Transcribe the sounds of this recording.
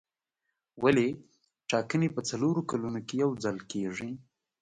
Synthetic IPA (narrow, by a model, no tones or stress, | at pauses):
wale | ʈɑkənepət͡saloɾokalunokejawd͡zalkeʐi